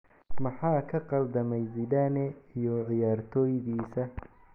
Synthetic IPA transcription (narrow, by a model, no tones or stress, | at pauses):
mɐħɑːkʰɐqɑld̪ɐmɛjzɪdɐnɛijɔʕɪjaːrt̪ʰɔːjðiːsɐ